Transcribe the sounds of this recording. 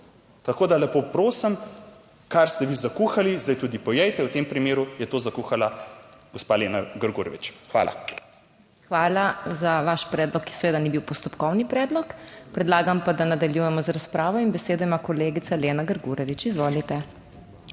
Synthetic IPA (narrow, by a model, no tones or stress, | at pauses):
t̪ɐkoːd̪alɛpopɾoːsəm | kaɾst̪ɛʋizakuxalizd̪ajt̪uːd̪ipɔjɛjt̪ɛwt̪empɾimeːɾujɛt̪ozakuxalaɡɔspalenaɡəɾɡuɾɛʋit͡ʃxʋa̰ːla̰ | xʋaːlazaʋaʃpɾɛːd̪lɔkːi̥sɛʋeːd̪anibiwpɔst̪ɔpkɔwnipɾɛːd̪lɔkpɾɛd̪laːɡampad̪anad̪aljujɛmɔzaɾaspɾaːʋɔinbɛseːd̪ɔimakɔleːɡit̪saleːnaɡəɾɡuɾɛʋit͡ʃizʋoːlit̪ɛ